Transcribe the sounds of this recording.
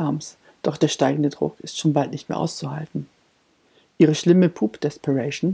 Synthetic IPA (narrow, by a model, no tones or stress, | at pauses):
ams | d̥ɔχd̥eːɐʃtaɪɡŋ̩dədʁʊ̰kʰɪstʃoːnbaltnɪçtmḛːɐʔa̰ʊst͡suhaltn̩ | ʔiːʁ̞əʃlɪməpʰuːpd̥ɛspʰəʁɛɪʃn̩